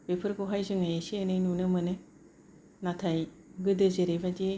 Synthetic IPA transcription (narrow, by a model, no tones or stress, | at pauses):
b̥epʰɯɾɡoɦajzɯŋajeseenɯjnunɯmɯnɯ | natʰaj | ɡɯdɯzeɾebade